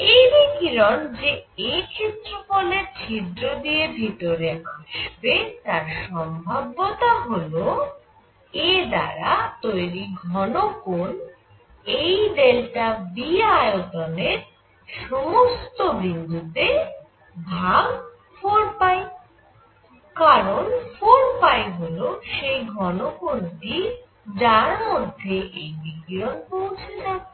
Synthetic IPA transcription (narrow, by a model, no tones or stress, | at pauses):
eɾikiɾɔnd͡ʑeekʰet̪ːɾopoleɾt͡ɕʰid̪ɾod̪ijebʱit̪oɾeaʃbet̪aɾʃɔmbʱabot̪aɦolo | ed̪a̰ɾat̪ojɾiɡʱɔnokon | ejd̪elʈabiajot̪oneɾ | ʃɔmost̪obind̪ʱut̪e | bʱaɡ | fɔɾpae | kaɾonfoɾpajɦoloʃejɡʱɔnokonʈi | d͡ʑaɾmod̪ʱːeʔejbiɡɾonpowt͡ɕʰela